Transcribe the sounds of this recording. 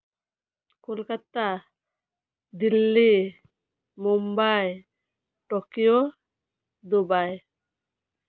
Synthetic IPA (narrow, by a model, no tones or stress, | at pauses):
kolkat̪a | d̪ilːi | mumbaj | ʈɔkijo | d̪obaj